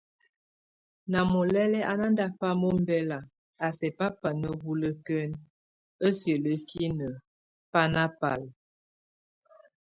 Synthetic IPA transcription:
na˨mo˨lɛ˦lɛ˦ʔa˨na˦nda˦pa˦mo˦m˦bɛ˦la˨ | a˨sɛ˨pa˦pa˨nə˦bu˦lə˦kə˦n | ə˦sjə˨lə˨ki˦nə˨ | pa˦na˦pa̰˨l

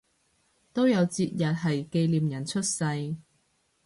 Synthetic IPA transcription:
t̪o˥wjɐ˨˧wt͡siː˧t̚jɐ˨t̚ɦɐ˨jke˧jliː˨mjɐ˨˩nt͡ʃʰɵ˥t̚sɐ˧j

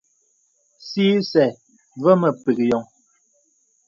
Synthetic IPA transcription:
siː˦sɛ˨ | və˦mə˨pi˨kjɔ˨ŋ

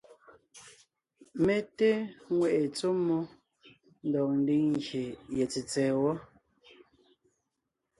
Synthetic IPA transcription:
me˨te˦ŋwɛ˨ʔe˨t͡so˦mːu˦ | n̩˦dɔ˨k̚n̩˨di˦ŋŋɡje˨jɛ˨t͡si˨t͡sɛː˨wɔ˦

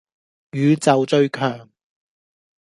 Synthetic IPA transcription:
jyː˨˧t͡sɐ˨wt͡ʃɵ˧ɥkʰœː˨˩ŋ

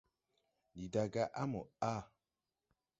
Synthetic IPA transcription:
li˨da˨ɡa˦ʔa˦mə˨a˦˨

